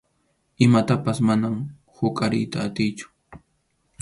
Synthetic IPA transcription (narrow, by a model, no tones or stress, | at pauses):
ɪmat̪apasmanam | hʊkʼaɾɪjt̪aːt̪ɪjt͡ʃʊ̥